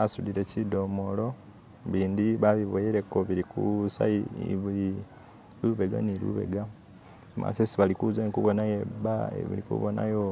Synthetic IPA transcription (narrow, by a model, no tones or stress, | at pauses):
asudiɾecido̞molo̞ | βiːnd̪iβaβiβojeɾe̞koβiɾikṵsa̰iβi | luβe̞ɡa̰nilṵβe̞̰ɡa | mʔa̰sesiβalikuzanikuβonajeba̰βḭlikṵβona̰jo